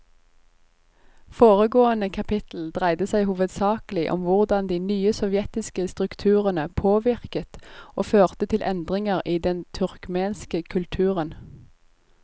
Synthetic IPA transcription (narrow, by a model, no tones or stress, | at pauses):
foːʁəɡoːənəkʰɑpʰɪt̪l̩d̪ʁæɪd̪əsæɪhuːʋəd̪sɑːkəlɪʔɔ̰mʋʊʁd̪ɑnd̪iːnyːəsɔʋjɛt̪ɪskəst̪ʁʉkt̪ʰʉːʁənəpʰoːʋɪʁkət̪oːføːʁt̪ət̪ʰɪlʔɛnd̪ʁɪŋəʁiːd̪ɛnt̪ʰʉʁkmeːnskəkʰʉlt̪ʰʉːʁən